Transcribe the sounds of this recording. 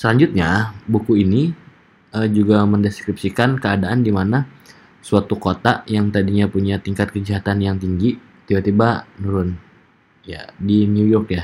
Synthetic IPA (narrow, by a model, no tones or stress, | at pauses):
səlaɲd͡ʒʊt̪̚ɲabukuini | əd͡ʒuɡaməndeskɾip̚sikankəadaʔandimana | suat̪ukot̪ajaŋt̪adiɲapuɲat̪iŋkat̪̚kəd͡ʒaɦat̪anjaŋt̪iŋɡi | t̪ibat̪ibanuɾʊn | ja̰diniujɔrkja